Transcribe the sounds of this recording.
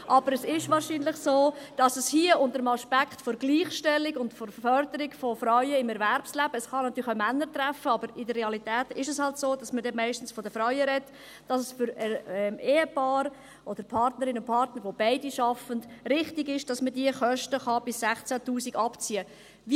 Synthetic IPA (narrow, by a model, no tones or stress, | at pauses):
ʔɑbəɾɛsɪʃʋɑːɾʃiːnlɪχsoːd̥ɑsɛshiəʔʊndəɾəmɑʃpækχtfɔɾɡliːχʃtɛlːiɡʊndfɔɾfœrdəɾɪɡfɔfrɔɥəɪmɛɾværpslæb̥əɛsχɑnɑtʰyːɾɪχəmænːəɾtɾæfəɑbəɾɪdəɾːeɑlitɛːtɪʃəshɑltsoːdɑsmədɛmæɪʃtən̩sfɔdəfɾɔɥəɾɛt | d̥ɑsəsfʏɾɛɛmeːəpɑːɾ | ʔɔd̥əɾpʰɑrtnəɾɪnʊnpʰɑrtnəɾʋob̥aɪdiʃɑfəndɾɪχtɪɡɪʃd̥ɑsmədiəχœʃtəχɑb̥ɪssæχt͡sætuːsiɡɑpt͡siə | vi